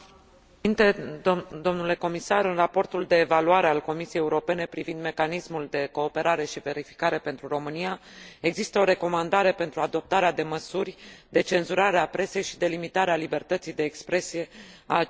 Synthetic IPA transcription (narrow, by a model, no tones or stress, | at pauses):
int̪ed̪o̞mnule̞ko̞misaɾɨnrapo̞rt̪uld̪e̞ːvaluaɾe̞alko̞misijejeuɾo̞pe̞ne̞pɾivind̪me̞kanismuld̪e̞ko̞ːpe̞ɾaɾe̞ʃive̞ɾifi̥kaɾe̞pent̪ɾuro̞mɨnijae̞ɡzist̪əo̞ɾe̞ko̞mand̪aɾe̞pe̞nt̪ɾuad̪o̞p̚t̪aɾead̪e̞məsurʲd̪e̞t͡ʃe̞nzuɾaɾeapɾe̞se̞jʃi̥d̪e̞limit̪aɾealibe̞rt̪ət̪sijd̪e̞ːkspɾe̞sije̞a